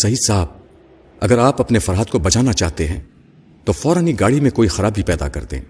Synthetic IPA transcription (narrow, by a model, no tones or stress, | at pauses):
sɐɦisaːb̚ | ɐɡəɾaːpɐpnefɐɾaɦəd̪kobɐt͡ʃaːnat͡ʃaːɦt̪eɦɛ̃ː | t̪ofɔːɾəniɡaːɽimẽkoːixɐɾaːbʱipɛːd̪a̰kɐ̰ɾt̪ḛ̃ː